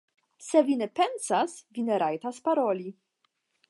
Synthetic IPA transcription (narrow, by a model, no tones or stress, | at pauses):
sevinepɛnsasvineɾajt̪aspaɾoli